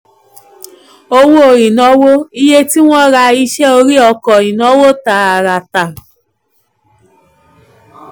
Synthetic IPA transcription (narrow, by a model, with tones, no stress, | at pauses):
o˦˧wo˦o˨ɾi˨nɔ˦wo˦i˦je˦ti˦w̃ʷɔ̃˦ɾa˧i˦ʃɛ˦o˧ɾi˦ɔ˧kɔ˨ĩ˨nɔ˦wo˦ta˨a˨ɾa˨ta˨